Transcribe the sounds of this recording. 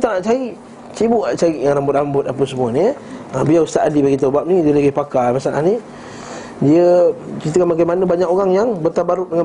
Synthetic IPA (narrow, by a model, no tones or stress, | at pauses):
t̪aʔnaʔt͡ʃaiʔ | t͡ʃibuʔat͡ʃaiʔjaŋɾambʊt̪̚ambʊt̪̚apəsəmuəni | abiaust̪aʔadibaɡit̪̬əbap̚nidəlaɡipakajmasana̰hni | diət͡ʃit̪əkanmaɡajmanəbaɲakoɣaŋjaŋbərt̪abaɾʊʔ̚dəŋa